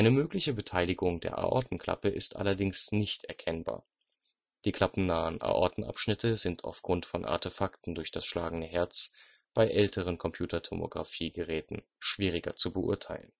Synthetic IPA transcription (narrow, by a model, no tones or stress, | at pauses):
ʔaɪnəmøːklɪçəbətʰaɪlɪɡʊŋdḛːɐʔa̰ʔɔ̰ɐtn̩kl̥a̰pəʔɪstʔa̰lɐdɪŋsnɪçtʔɛɐkʰɛnba̰ːɐ | d̥iːkl̥apn̩naːənʔa̰ːʔɔtn̩ʔa̰pʃnɪtʰəzɪntʰa̰ʊfɡ̥ʁʊntfɔnʔa̰ɐtefaktn̩dʊɐçd̥asʃlaːɡŋ̩nəɦɛɐt͡s | b̥aɪʔɛltʰəʁ̞ənkʰɔmpʰj̥uːtɐtʰomo̰ɡʁafiːɡəʁɛːtn̩ | ʃv̥iːʁ̞ɪɡɐt͡subəʔʊ̰ɐtʰaɪlən̩